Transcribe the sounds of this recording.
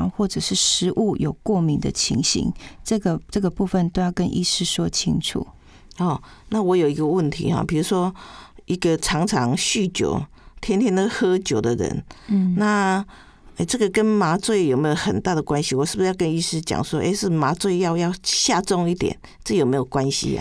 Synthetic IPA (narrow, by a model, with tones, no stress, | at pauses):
ŋxwɔ˥˩ʈ͡ʂɤ˨˩ʂɻ̩˥˩ʂɻ̩˧˥ʔu˥˩jo˨˩ʊkwɔ˥˩mi˧˥ŋd̪ə̰˨t͡ɕʰḭ˧˥ŋɕḭ˧˥ŋʈ͡ʂɤ˥˨˩ɡə˨ʈ͡ʂɤ˥˩ɡə˩pu˥˧fə˨nt̪o˥ʊjɑ˥˩ʊkə˦nʔḭ˥˧ʂɻ̩˥˩˧ʂwɔ˥t͡ɕʰḭ˥ŋʈ͡ʂʰṵ˨˩˦ | ɔ˨˩ | na˥˩wɔ˧˥jo˨˩i˧˥ɡə˧wə˥˩nt̪ʰḭ˧˦ha̰˨pʰi˨˩ɻu˧˥ʂwɔ˦i˦ɡə˨ʈ͡ʂʰɑ˧˥ŋʈ͡ʂʰɑ˧˦ŋɕy˥˩t͡ɕjo̰˧˥˦ʊ | t̪ʰjɛ˥nt̪ʰjɛ˥na˥˩ə˧xɤ˥t͡ɕjo˨˧˩ʊd̪ə˨ɻə̰˧˦nna˥˨ | e˥˩ʈ͡ʂɤ˥˩ɡə˨kə˦nma˧˥t͡swe˥˩ɪjo˨˩ʊme˦˥jo˨˩ʊxə˨˩nt̪a˥˩d̪ə˩kwa˦nɕi˦˥wɔ˨˩ʂɻ̩˥˩b̩˨˩˧jkə˦ni˥˧ʂɻ̩˥˩t͡ɕja̰˨˩ŋswɔ˦ʔḛ˥˧ɪʂɻ̩˥˩ma˧˥t͡swe˥˧ɪjɑ˥˧ʊjɑ˥˧ʊɕja˥˧t͡sɔ˥˧ŋi˥˩t̪jɛ̰˨˩n | ʈ͡ʂ̩˥˩˨jo˨˩ʊme˧˥ɪjo˨˩kwa˦nɕḭ˧˦˨